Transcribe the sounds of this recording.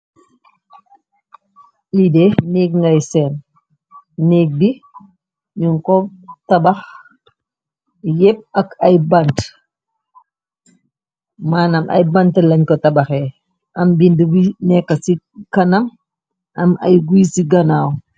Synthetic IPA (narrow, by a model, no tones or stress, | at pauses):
lidɛniːk̚ŋɡajsɛːn | niːk̚di | ɲuŋkɔtabax | jɛp̚ɐkɐjbant | maːnamʔɐ̰jbantlɐɲkɔtabaxɛ | ʔɐmbindɡinɛkːɐsi | kɐnam | ɐmɐ̰jɡujsiɡɐnaːw